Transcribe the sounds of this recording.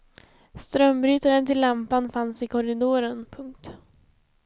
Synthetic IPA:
st̪ɾœmbɾyːt̪aɾənt̪ʰɪlːampanfansɪkʰɔɾɪd̪oːɾənpʰɵŋk̚t̪

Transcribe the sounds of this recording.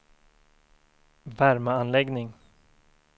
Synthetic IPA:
væɾməanlɛɡnɪŋ

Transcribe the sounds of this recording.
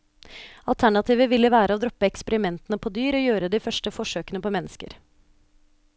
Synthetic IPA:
ɑ̰lt̪ʰæɳɑt̪ʰiːʋəʋɪlːəʋæːɾəoːd̪ɾɔpːəɛkspəɾɪmɛnt̪ənəpʰoːd̪yːɾoːjøːɾəd̪iːfœʂʈəfɔʂøːkənəpʰoːmɛnːəskə̰ɾ

